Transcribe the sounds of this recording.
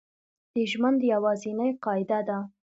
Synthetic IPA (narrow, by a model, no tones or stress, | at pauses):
d̪̥əʒmand̪əjawɑzinajqɑɪd̪ad̪a